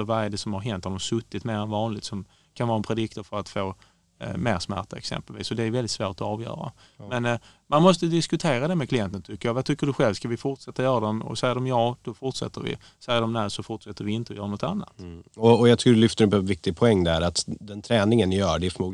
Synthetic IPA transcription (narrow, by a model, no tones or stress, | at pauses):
əɾvaɾd̪ɛsɔmhaɾɦɛnt̪had̪ɔmsɵt̪ːɪt̪meːɾɛnvɑːnlɪt̪sɔm | kʰanvɑːɾaɛnpʰɾɛd̪ɪkt̪əɾfœɾat̪foː | mḛːɾsmæ̰ʈaɛ̰ksɛ̰mpɛlvḭːsɔd̪ɛːɾvɛlɪt̪svoːʈ̪ɔɑːvjœ̰ːɾa̰ | mɛn | manmɔst̪əd̪ɪskɵt̪ʰeːɾad̪ɛmɛkʰlɪjɛnt̪ənt̪ʰʏkːəjɑvat̪ʰʏkːəɖɵɧɛlvskavɪfʊʈʂɛt̪ːajœːɾad̪ɛmɔ̰sɛjːədɔmjɑːd̪̥ɔfʊʈʂɛ̰t̪ːəɾvɪ̰ | sɛjːədɔmnæsɔfʊʈʂɛt̪ːəɾvɪɪnt̪əɔjœːɾanɔt̪anːa̰t̪ɔːjɑɡt̪ʰːlʏft̪əɾbʰɛvɪk̚t̪ɪɡ̚pʰɔɛŋːd̪æɾat̪d̪ɛnt̪ʰɾɛːnɪŋənjœːɖɛfœmuː